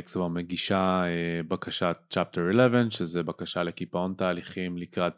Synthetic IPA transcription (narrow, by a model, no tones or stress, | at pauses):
ksvameɡiʃaebakaʃat͡ʃap̚teɾelɛvenʃezebakaʃale̞kipaontaːliχimlikʁat̪